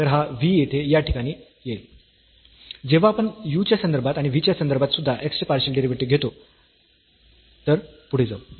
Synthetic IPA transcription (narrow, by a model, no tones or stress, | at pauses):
t̪əɾɦaʋijet̪ʰejaʈʰikaɽ̃iː | jel | d͡ʑeʋ̤aːpəɳjut͡ɕjasənd̪əɾbʱat̪aɽ̃iʋit͡ɕjasənd̪əɾbʱat̪sud̪ʱːaʔeksʈəpaɾɕəlɖeɾiʋʈiɡʱet̪o | t̪əɾpuɽ̤ed͡za̰u